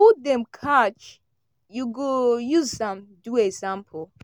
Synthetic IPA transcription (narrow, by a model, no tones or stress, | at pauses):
udɛ̃mkʰat͡ʃ | juɡojuzsãmduɛsãmpʰ